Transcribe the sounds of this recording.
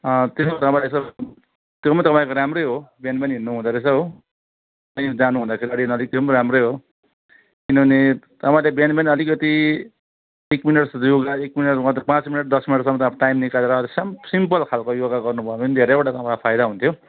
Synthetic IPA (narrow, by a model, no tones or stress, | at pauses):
ʌt̪esmat̪ʌpãĩlesʌ | t̪jomʌ̃t̪ʌpãĩkoɾamrojɦobanbʌnɦinːuɦũnd̪ʌɾesʌɦo | tʌĩd͡zanuɦund̪akʰeɾiʌɽinʌlik̚d̪ʌmɾamrojɦo | kinʌbʱʌnet̪ʌpaĩlebanbenʌlikʌt̪i | ekminʌʈsjoɡaekminʌʈʌt̪pãt͡smineʈ̚d̪ʌsminʌʈsʌmʌt̪ãʈajmnikaleɾʌːlismsimpʌlkʰalkojoɡaɡʌrnubʱʌmind̪ʱeɾebʌʈat̪ʌpaapʰajd̪aɦũnt̪ʰjo